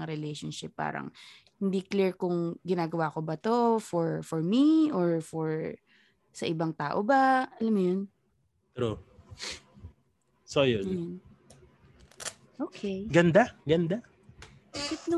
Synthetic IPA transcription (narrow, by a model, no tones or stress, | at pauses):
ŋɾɛlejʃonʃɪpːa̰ːɾɐ̰ŋ | hɪnd̪ikliɹkʊŋɡɪnaːɡɐwaːkobɐt̪o̞fɔɹfɔɹmiʔoɹfɔɹ | sɐʔɪbaŋt̪aːʔobɐɐlɐmːjon | t̪ɾo | sojo | ʔoːkʰejɡɐnd̪aɡɐnd̪a | bahɪt̪n